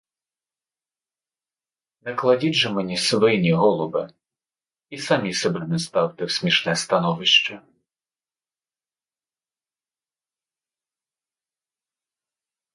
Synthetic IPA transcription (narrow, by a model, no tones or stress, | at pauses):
nɛklˠɐdʲidʲʐɛmɛnʲisʋɔjinʲiɦɔlˠʊbɪ | isamʲisɛbɛnɛst̪ɑwt̪ɪwsʲmʲiʂnɛst̪ɐnɔʋɪʃt͡ʃɛ